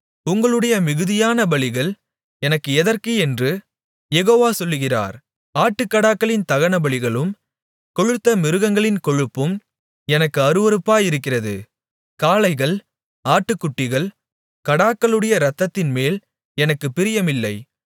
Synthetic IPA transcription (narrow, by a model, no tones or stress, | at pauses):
ʊŋɡɐɭɯɽɐjɐmɪɣɯðɪjaːnɐbɐɭɪɣɐɭ | ɛnɐkːɯɛðɐɾkɯɛndrɯ | jɛɣoːʋaːsɔlːɯɣɪra̰ːɾ | aːʈːɯkːɐɽaːkːɐɭɪnt̪ɐɣɐnɐbɐɭɪɣɐɭɯm | kɔɻɯt̪ːɐmɪɾɯɣɐŋɡɐɭɪnkɔɻɯpːɯm | ɛnɐkːɯɐɾɯʋɐɾɯpːaːjɪɾɯkːɪrɐðɯ̰ | kaːlɐɪɣɐɭ | aːʈːɯkːʊʈːɪɣɐɭ | kɐɽaːkːɐɭɯɽɐjɐɾɐt̪ːɐt̪ːɪnmeːl | ɛnɐkːɯpːɪɾɪjɐmɪlːɐɪ